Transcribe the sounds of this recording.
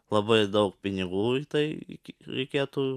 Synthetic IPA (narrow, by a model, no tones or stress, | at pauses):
lˠɐbɐɪd̪ɐʊk̚pʲɪnʲɪɡuːit̪ɐɪɪ̰kʲɾʲɛ̰ɪkʲeːt̪u